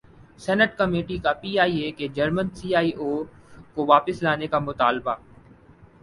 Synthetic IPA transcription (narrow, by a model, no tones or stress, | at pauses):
sɛːnəʈkɐmeːʈikapiːaːieked͡ʒɐɾmənsiːaːiʔoːkoʋaːpɪslaːnekamʊt̪a̰ːlbaː